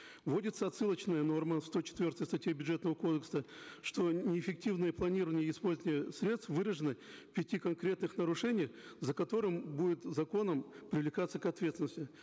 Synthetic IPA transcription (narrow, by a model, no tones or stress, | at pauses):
vo̞dʲɪt̪səɐt̪sɨlˠət͡ɕnəjəno̞rməst̪o̞t͡ɕɪ̥t̪vʲo̞rt̪əjst̪ɐtʲjebʲʊdʐet̪nəvəko̞d̪əksəʂt̪o̞nʲɪɪfʲɪk̚tʲivnɨjəplˠɐnʲirɾəvənʲɪjəɪspo̞lʲzənʲɪjəsʲɾʲe̞t̪st̪fvɨɾəʐɨnɨ | pʲɪtʲikɐnkɾʲe̞t̪nɨxnəɾʊʂɛnʲɪjzəkɐt̪o̞ɾɨmbudʲɪt̪zɐko̞nəmpɾʲɪvlʲɪkat̪səkɐt̪vʲet̪sʲɪnəsʲtʲɪ